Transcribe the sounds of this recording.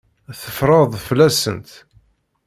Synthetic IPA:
θəfɾˤɑðˤflæsə̰nt̪

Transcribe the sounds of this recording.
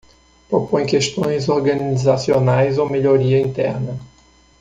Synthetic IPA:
pɾopõj̃kest̪õj̃zoɾɡɐnizasionajzowmeʎoɾiɐĩnt̪ɛ̰ɾnɐ

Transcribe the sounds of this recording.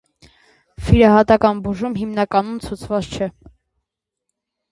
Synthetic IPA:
fiɾɑɦɑt̪ɑkɑnbuʒumɦimnɑkɑn̪umt͡sʰut͡sʰvɑt͡st͡ʃʰɛ

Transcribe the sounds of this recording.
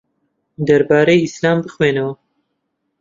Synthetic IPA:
d̪ɐɾbaːɾejislaːmbɨxweːnɐwɐ

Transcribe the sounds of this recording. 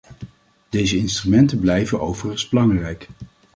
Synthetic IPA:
d̥ejzəɪnstrymɛntəblɛjvənʔowvərəzb̥əlɑŋrɛjk

